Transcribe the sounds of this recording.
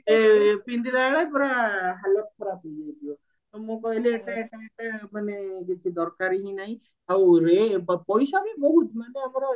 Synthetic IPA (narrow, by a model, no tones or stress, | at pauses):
epind̪id̪aɭajpɔɾaɦalɔt̪̚kʰɔɾapid͡ʒid̪io | t̪ɔmõkɔɦileeʈaeʈaeʈamanekit͡ʃʰid̪ɔɾkaɾiɦĩnaɦĩ | awɾebpɔjsabibɔɦut̪maneamɔɾɔ